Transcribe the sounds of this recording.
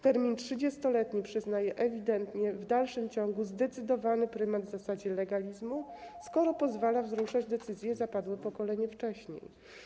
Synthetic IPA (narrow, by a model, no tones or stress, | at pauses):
t̪ɛɾmʲintʂɘd͡ʑɛst̪ɔlɛt̪ɲipʂɘznajɛʔɛvʲid̪ɛnt̪ɲɛvd̪alʂɘmt͡ɕɔŋɡuzd̪ɛt̪sɘd̪ɔvanɘpɾɘmad̪vzasad͡ʑɛlɛɡalʲizmuskɔɾɔpɔzvalavzɾuʂad͡ʑd̪ɛt̪sɘzʲjɛzapad̪wɘpɔkɔlɛɲɛft͡ʂɛɕɲḛj